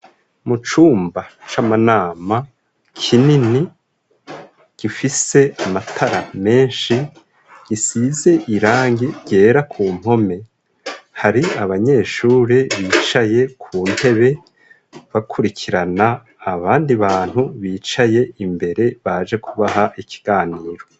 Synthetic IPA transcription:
mut͡ʃuːmbat͡ʃamanaːma | kʰinini | ɡ̥ifise̞amatʰaɾame̞ːnʃi | ɡ̥isize̞ʔiɾaːŋɡiɟe̞ːɾakʰuːm̥ho̞me̞ | haɾiaβaɲe̞ːʃuːɾeβiːt͡ʃaje̞kʰuːnte̞βe̞ | βakʰuɾikʰiɾanaː | βaːndiβaːn̥huβiːt͡ʃaje̞imbe̞ɾe̞βad͡ʒe̞kʰuβaɦaʔikʰi̥ɡ̥aːniːɾo̞

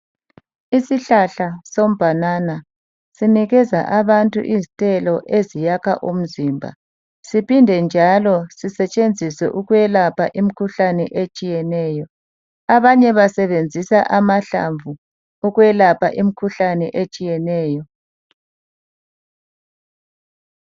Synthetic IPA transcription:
isiɬaɬasom̩bʱanaːna | siniɣɛza̰ʔaβantʼṵʔizitʼɛlɔʔezijakʰa̰ʔum̩ziːmbʱa̰ | sipʰindʱɛnd͡ʒʱalɔsisɛt͡ʃʼend͡zʱisɛ̰ʔuɣujɛlapʰaʔimikʰuɬanɛ̰ʔet͡ʃʼijɛnɛːjɔ | aβaɲɛβasɛβend͡zʱisaʔamaɬa̰ɱvu | uɣwɛlapʰa̰ʔimikʰuɬanɛ̰ʔet͡ʃʼijɛnɛːjɔ

